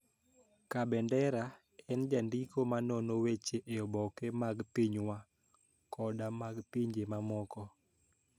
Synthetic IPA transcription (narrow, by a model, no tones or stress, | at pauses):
kabɛndɛɾa | ɛnd͡ʒandikomanɔnowet͡ʃeʔeɔbɔkemaɡpiɲwa | kʰɔdamaɡpiɲd͡ʒemamɔkɔ